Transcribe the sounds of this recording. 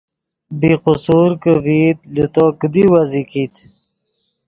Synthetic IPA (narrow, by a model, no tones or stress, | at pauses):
biqʊsuɾkəvit̪lət̪okəd̪iwazikiːt̪